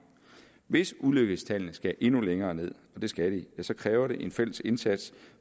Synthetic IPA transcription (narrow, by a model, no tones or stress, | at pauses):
ʋe̝suløɡ̥əð̩ˠst͡sʰælnəsɡ̥æʔe̝nuleŋɐːne̝ð̞̰ˠɒ̽d̥e̝sɡ̥æɾ̥ijæsɒ̽kʰʁɛːʊɐɾe̝ʔe̝nfel̰əse̝nsæd̥s